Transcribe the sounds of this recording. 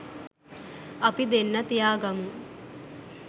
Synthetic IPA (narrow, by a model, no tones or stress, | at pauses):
ɐpid̪enːɐt̪ijaːɡɐmu